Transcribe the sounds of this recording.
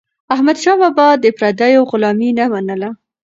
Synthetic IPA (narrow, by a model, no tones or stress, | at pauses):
ahmad̪ʃɑbabɑd̪əpɾad̪ajoɣʊlɑminamanəla